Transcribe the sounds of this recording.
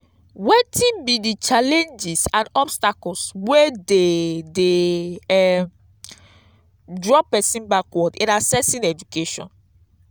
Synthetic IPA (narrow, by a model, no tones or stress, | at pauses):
wetʰĩnbidit͡ʃalẽnd͡ʒisãnɔbstakɔlswɛdede | dɹɔpɛsĩnbakwɔdeɾasɛsĩnɛd͡ʒukeʃɔ̰̃n